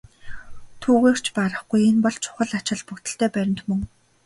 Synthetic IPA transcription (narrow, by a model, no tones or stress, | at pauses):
t̪ʰuːɣeːr̥t͡ɕʰpaɾə̆χɡujenpɔɮt͡ɕʰʊ̥χə̆ɮat͡ɕɪ̆ɮpukt̪ɘ̆ɬt̪ʰeːpæɾʲɪ̆mt̪mɵŋ